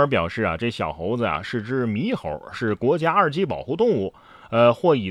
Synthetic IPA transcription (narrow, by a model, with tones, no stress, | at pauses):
ə˞˧˥p̬jɑ˨˩ʊʂɻ̩˥˩a̰˩ʈ͡ʂɤ˥˩ɕjɑ̰˨˩xo˧˥ʊd͡zə˧a̰˩ʂɻ̩˥˩ʈ͡ʂɻ̩˥mi˧˥xo˧˥ʊʂɻ̩˥˩kwɔ˧˥t͡ɕja˥ə˞˥˧t͡ɕi˥pɑ̰˨˩ʊxu˥˧t̪ʊ˥˧ŋu˥˩ | ə˧xwɔ˥˩i˨˩